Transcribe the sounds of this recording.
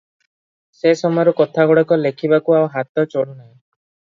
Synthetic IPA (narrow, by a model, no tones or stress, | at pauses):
sesɔmɔjɔɾukɔt̪ʰaɡɔɽɔkɔlekʰibakuawɦat̪ɔt͡ʃoɽunaj̃